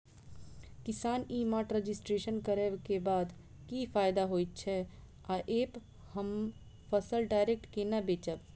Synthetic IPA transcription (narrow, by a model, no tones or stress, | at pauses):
kɪsaːniːmaːʈɾəd͡ʒɪsʈɾeːʃənkəɾeːʋkebaːd̪ | kifʰaːɪd̪aɦoːit̪̚t͡ʃʰɛ | aːʔeːp | həm | pʰəsəlɖaːɪɾek̚ʈkenɐbeːt͡ʃəb